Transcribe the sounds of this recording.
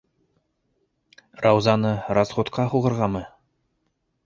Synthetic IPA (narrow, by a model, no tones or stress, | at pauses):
rɑwzɑnɤɾɑzʁut̪qɑɦuʁɤ̆ɾʁɑmɤ